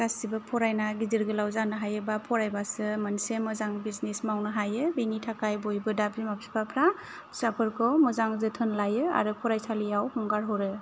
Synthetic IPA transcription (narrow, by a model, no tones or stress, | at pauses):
ɡ̥asibɯpʰɔɾajnaɡiziɾɡɯlawzanɯɦajɯbapʰɔɾajbasɯmansemɔzaŋbiznesmawnɯɦajɯbinitʰakajbɔjbɯdapimapʰi̥pʰapʰɾa | sapʰɯɾkʰɔwmɔzaŋzɯtʰɯnlajɯa̰ɾɯpʰɔɾajsʰalijawhɔŋɡaɾɦɔɾɯ